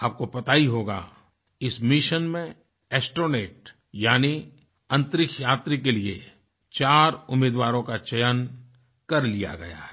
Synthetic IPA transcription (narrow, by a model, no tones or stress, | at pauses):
aːp̚kopɐt̪aːiɦoːɡa̰ | ɪsmɪʃənmẽ | ɛːsʈoːneːʈ | jaːni | ɐ̃nt̪ɾɪkʰjaːt̪ɾikelie | t͡ʃaːɾʊmeːd̪ʋaːɾõkat͡ʃɐjən | kɐɾlija̰ɡɐ̰ja̰ɦɛ